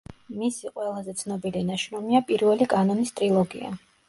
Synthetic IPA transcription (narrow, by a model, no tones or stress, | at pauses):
misiqʼwɛlˠazɛt̪sʰnɔbilinaʃɾɔmiapʼiɾvɛlikʼanɔnist̪ʼɾilˠɔɡḭa̰